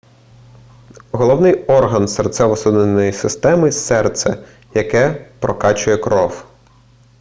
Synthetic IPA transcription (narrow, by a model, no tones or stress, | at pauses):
ɦɔlˠɔwnɪjɔrɦɐnsɛrt̪sɛʋɔsud̪nenːɔjisɪst̪ɛmɪsɛrt̪sɛ | jɐkɛpɾɔkɑt͡ʃʊjɛkɾɔw